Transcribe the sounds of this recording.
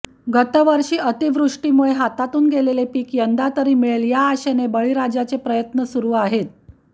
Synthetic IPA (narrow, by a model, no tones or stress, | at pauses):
ɡət̪əʋəɾɕiːət̪iʋɾuʂʈiːmuɭeɦat̪at̪uːnɡelelepiːkjənd̪at̪əɾiːmiɭeljaːɕenebəɭiɾad͡ʑat͡sepɾəjət̪nəsuɾuːaɦet̪̚